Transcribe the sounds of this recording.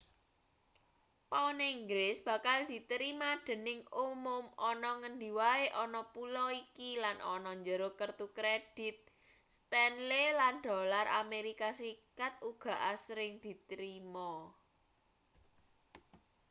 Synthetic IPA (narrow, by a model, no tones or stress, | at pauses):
paniŋɡlɪsb̥ä̤kald̪̥i̤t̪əɾimad̪̥ə̤nɪŋumʊmɔnɔŋənd̪i̤waeʔɔnɔpulɔikilanʔɔ̰nɔɲd͡ʒəɾokərt̪ukɾed̥ɪ̤t̪̚ | st̪ɛnleland̪̥o̤larʔameɾikasikat̪̚uɡ̥ä̤ʔasɾɪŋd̪̥i̤t̪ɾimɔ